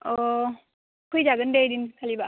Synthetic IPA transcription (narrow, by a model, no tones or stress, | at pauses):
ʔɔ | kʰujd͡ʒaɡəndejdinkʰaliba